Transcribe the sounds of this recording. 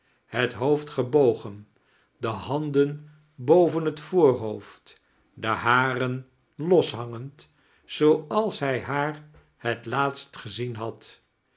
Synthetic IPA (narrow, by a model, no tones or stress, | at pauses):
hətɦowftχəbowχən | dəɦɑndən | bowvənɦətfʊːɹɦowft | dəɦaːrən | lɔsɦɑŋənt | zowɑlˠsɦɛjɦaːɹ | hətlaːtstχəzinɦɑt